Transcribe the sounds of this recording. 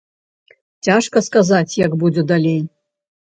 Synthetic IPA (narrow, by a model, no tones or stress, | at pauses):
t͡sʲaʂkɐskazat͡sʲjɐɡbud͡zʲɛd̪alʲej